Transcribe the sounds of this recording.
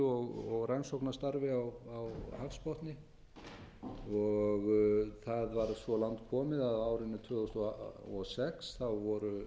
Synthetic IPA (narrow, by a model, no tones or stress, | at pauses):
ɔɣɔɣransowknast̪aɾvɪawawhafspɔht̪nɪ | ɔɣθaðvaɾsvɔlaŋt̪̚kʰɔːmɪðaðaːwɾɪnːɪt̪ʰvʏːθust̪ɔɔsɛksθawvɔɾʏ